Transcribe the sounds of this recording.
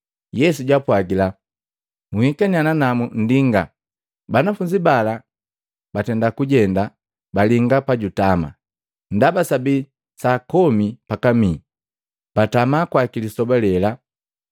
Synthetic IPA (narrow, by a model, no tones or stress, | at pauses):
jɛs̬uɟapwaɡila | muhikaɲananamun̩diŋɡa | banafuɲd͡ʒibala | batɛndakuɟɛnda | baliŋɡapaɟutama̰ | n̩dabasabi | sakɔmipakamiː | b̥atamakwakilisɔbalɛla